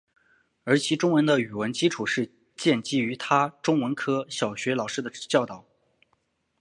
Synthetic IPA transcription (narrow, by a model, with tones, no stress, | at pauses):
ə˞˧˥t͡ɕʰi˧˥ʈ͡ʂʊ˥ŋwə˧˥nd̪ə˧y˨˩wə˧˥nt͡ɕi˥ʈ͡ʂʰu˨˩ʂɻ̩˥˧ | t͡ɕjɛ˥˩nt͡ɕi˥˩y˧˥t̪ʰa˥ʈ͡ʂʊ˥ŋwə˧˥nkʰɤ˥ɕjɑ˨˩ʊɕɥɛ˧˥lɑ˨˩ʊʂɻ̩˥d̪ə˨˥t͡ɕjɑ˥˧ʊt̪ɑ˥˨˩ʊ